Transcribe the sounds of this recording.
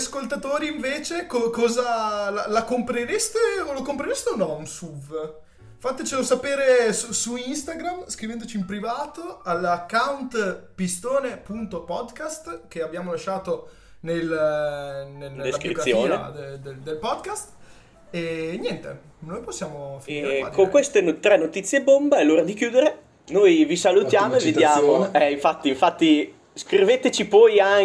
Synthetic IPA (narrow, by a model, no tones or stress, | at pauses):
askolt̪at̪oːɾiːɱveːt͡ʃekɔkɔːzalalakompɾeɾest̪eolokompɾeɾest̪eunɔansuv | fat̪ːet͡ʃelosapeːɾesusuinst̪aɡɾamskɾivɛnd̪ot͡ʃiːmpɾivaːt̪oalkːawnt̪pist̪oːnepunt̪opɔd̪kast̪k̟eabːjaːmolaʃːaːt̪o | nel | ned̪eskɾit̪sːjoːned̪ed̪ed̪elpɔd̪kast̪ | enjɛnt̪e | noːjposːjaːmofakoŋkwest̪enot̪ɾɛnːot̪it̪sːjebːombaɛlːoːɾad̪ikjuːd̪eɾe | nojvisalut̪jaːmoeved̪jaːmoɛiɱfat̪ːiːɱfat̪ːi | skɾivet̪et͡ʃipɔja